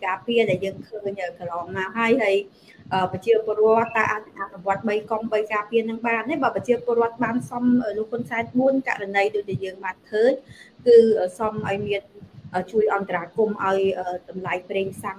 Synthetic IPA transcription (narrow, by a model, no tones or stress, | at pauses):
kaːpiəɗaɛljəːŋkʰəːɲʔəːkɑlɑːŋnaɔɦaəjhaəj | ʔəːpɑt͡ɕiəpoərŏət̪ːaːʔat̪̚ɨŋʔaʔnuʋŏət̪̚ɓəjkomɓəjkaːpiənɨŋɓaːnːehɓaːpɑt͡ɕiəpoərŏət̪̚ɓaːnsɑmʔəːlŏək̚honsaɛnɓuənka̰ʔranəjɗoəc̚ɗaɛjəːŋɓaːnkʰəːɲkɨːəːsɑmʔaɔjmiənʔəːt͡ɕuəjʔɑnt̪araːkumʔa̰ɔjʔəːɗɑmlaɛjpreːŋʰsaŋ